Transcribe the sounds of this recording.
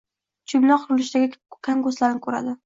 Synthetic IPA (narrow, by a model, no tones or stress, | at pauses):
t͡ʃʰʊbnɒqʰʊɾʊlɪʃd̪aɡʲakʲʰaŋɡoslaɾnɪkʰɵɾa̰d̪ɪ